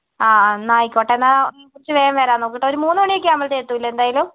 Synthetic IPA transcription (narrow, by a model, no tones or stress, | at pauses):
aːnaːjikʲːoːʈːenːakurit͡ɕːɨʋeːjamʋeɾaːnoːkːiʈːɐoɾumuːnːɨmoɳijek̬ʲːɨaːmɐlt̪eːt̪ːuilːɐe̞nd̪aːjɐlum